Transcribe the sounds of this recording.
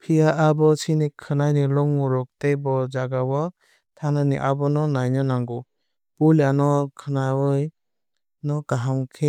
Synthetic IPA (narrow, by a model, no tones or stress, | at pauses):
pʰijaʔabɔsinikʰɯnajnilɔŋmɔɾɔk̚tejbɔd͡ʒaɡawɔ | tʰananiʔabɔnɔnajnɯnaŋɡɔ | pulanɔkʰɯnawɯj | nɔɡaɦamkʰe